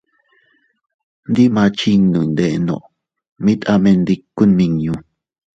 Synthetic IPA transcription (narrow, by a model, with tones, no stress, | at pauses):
n˦d̪i˦mãː˧t͡ʃi˦ŋnũ˨nd̪e˨ʔnõ̰˨ʔ | mĩ˦t̪ʔa˦˧mẽ˧nd̪i˧kːu˦nmĩ˧ŋjũ˧